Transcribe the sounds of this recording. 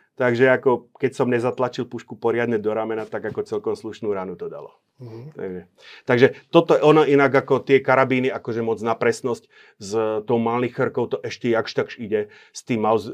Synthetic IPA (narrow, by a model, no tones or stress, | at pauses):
t̪aɡʒɛakɔkɛcsɔmɲɛzat̪lat͡ʃilˠpuʃkupɔɾɪad̪ɲɛd̪ɔɾamɛnat̪aɡakɔt͡sɛlkɔmsluʃnuːɾaːnut̪ɔd̪a̰lɔ̰ | t̪a̰ɡʒɛ | t̪aɡʒɛt̪ɔt̪ɔʔɔnɔʔinaɡakɔt̪ɪɛkaɾabiːniakɔʒɛmɔd͡znapɾɛsnɔsc | zt̪ɔʊmalnixərkɔʊt̪ɔʔɛʃcɛjakʃt̪akʃiɟɛ | st̪iːmːaʊz